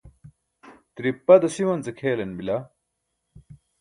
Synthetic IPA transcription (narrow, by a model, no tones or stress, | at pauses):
t̪ɾipːɐd̪ɐsiwɐnt͡sɐkʰeːlɐnbilɐ